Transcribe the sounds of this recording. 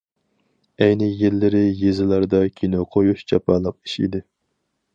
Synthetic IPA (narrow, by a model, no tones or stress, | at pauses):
ɛjnɪjellːɪɾɪjezɪlˠɑɾd̪ɑkʲʰinoqʰojuʃt͡ʃʰɑpɑlˠəq̚iʃḭd̪ɪ